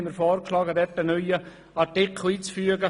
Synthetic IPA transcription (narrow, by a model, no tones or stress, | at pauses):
məɾfɔːɾkʃlɑːɡəd̪ɛtːənœʏə | ɑɾtɪkʰl̩iːt͡sfyəɡə